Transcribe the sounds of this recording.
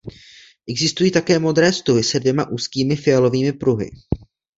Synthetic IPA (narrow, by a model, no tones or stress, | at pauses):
ʔɛɡzɪst̪ujiːt̪akɛːmo̞d̪ɾɛːst̪uɦɪsɛdvjɛmaʔuːskiːmɪfɪɛlo̞viːmɪpɾuɦɪ̰